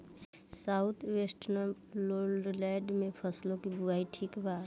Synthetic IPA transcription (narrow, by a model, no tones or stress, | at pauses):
saʊt̪ʰwesʈnəm | lolɖlɛɖmẽpʰəslõkibuaiʈʰiːkbaːt̪